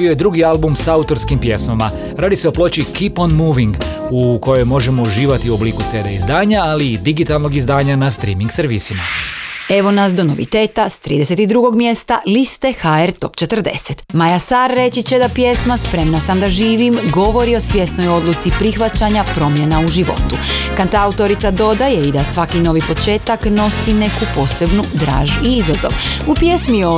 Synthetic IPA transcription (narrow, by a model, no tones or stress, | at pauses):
iojed̪ɾuɡialˠbumsaaut̪o̞ɾskimpje̞smama | ɾaːd̪iseoplˠo̞t͡ɕikiponmuːʋiŋɡ | uko̞jo̞jmo̞ʒe̞mo̞uʒiːʋat̪iuo̞bliːkut̪seːd̪ḛizd̪aːɲaaliːd̪iɡit̪alˠno̞ɡizd̪aːɲanast̪ɾiːmiŋɡsɾʋisima̰e̞ʋo̞nas̬d̪o̞no̞ʋḭt̪e̞ːt̪ast̪ɾḭːd̪e̞se̞t̪id̪ɾuɡo̞ɡmje̞st̪a̰list̪exaeɾt̪o̞̰pt͡ʃe̞t̪r̩d̪e̞̰se̞t̪majasaɾːe̞t͡ɕit͡ɕed̪apje̞smaspɾe̞mnasamd̪aʒiːʋimɡo̞ʋo̞ɾio̞sʋje̞st̪no̞jo̞d̪lˠut̪sipɾixʋat͡ɕaɲapɾo̞mje̞nauʒiʋo̞̰t̪ukant̪aut̪o̞ɾit̪sad̪o̞d̪aje̞id̪asʋakino̞ʋipo̞t͡ʃe̞ːt̪akno̞sine̞kupo̞ːse̞bnud̪ɾa̰ːʒiizazo̰ʋupje̞smi